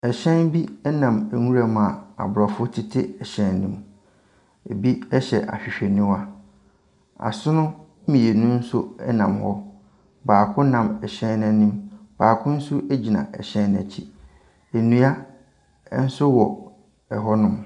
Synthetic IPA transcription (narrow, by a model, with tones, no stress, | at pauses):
ɛ˨ɕɛ̃˦nbi˦ɛ˦nã˨mæ˨ŋũ˦ɾa˨ma˨a̰˨bʊ˨ɾɔ˨fʊ˦tʰɪ˦tʰɪ˦ɛ˨ɕɛ̃˦nnĩ˦m | e˨bi˦ɛ˦ɕɛ̰˨ʔa̰˨ɕᶣi˨ɕᶣe˨nɪ̃˦wa˦ | a̰˨sʊ˦nʊ̃˦ | mĩ˨e˨nũ˦n̩˦sʊ˦ɛ˦nã˨mhɔ˦ | baː˨kʰʊ̃˦nã˨mɛ˨ɕɛ̃˦nnã˦nĩ˦mb̥aː˨kʰʊ̃˦n̩˦sʊ˦ʔe˦d͡ʑi˨nã̰˨ʔɛ̰˨ɕɛ̃˦nnæ̰˨t͡ɕʰi˦ | e˨nũ˦a˦ | n̩˦sʊ˦wɔ̰˨ | ɛ˨ɦɔ˦nʊ̃˦m